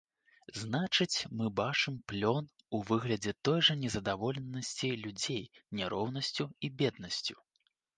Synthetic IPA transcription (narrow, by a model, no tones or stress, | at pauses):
znat͡ʂɨt͡sʲmɨbat͡ʂɨmplʲɔn | uvɨɣlʲɐd͡zʲɛt̪ɔjʐɐnʲɛzɐd̪avɔlʲɛnːɐsʲt͡sʲilʲud͡zʲejnʲɛɾɔwnɐsʲt͡sʲuibʲɛd̪̚nɐsʲt͡sʲu̥